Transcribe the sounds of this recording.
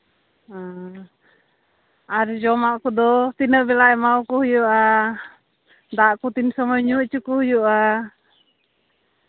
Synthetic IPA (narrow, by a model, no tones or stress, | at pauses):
aɾid͡ʒɔmaʔkud̪ɔt̪inəʔbɛlaɛmaukuhujuʔa | d̪aʔkut̪insɔmɔɲuʔt͡ʃukuhujuʔa